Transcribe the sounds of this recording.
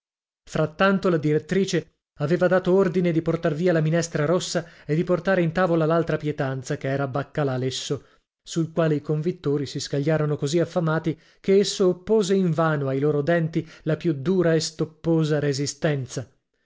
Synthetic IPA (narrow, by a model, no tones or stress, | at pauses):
fɾat̪ːant̪olad̪iɾet̪ːɾiːt͡ʃe | aveːvad̪aːt̪oord̪ined̪iport̪arviːalaminɛst̪ɾaɾosːaed̪iport̪aːɾeint̪aːvolalalt̪ɾapjɛt̪ant̪sakeɛːɾabakːalalesːo | sulkwaːleikoɱvit̪ːoːɾisiskaʎːaːɾonokoziafːamaːt̪i | keesːoːpːoːzeiɱvaːnoajloːɾod̪ɛnt̪ilapjud̪uːɾaest̪opːoːzaɾezist̪ɛnt̪sa